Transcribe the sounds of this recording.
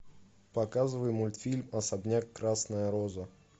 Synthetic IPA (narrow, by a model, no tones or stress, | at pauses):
pɐkazɨvəjmʊlʲt̪fʲilʲmɐsɐbnʲakːɾasnəjəɾozə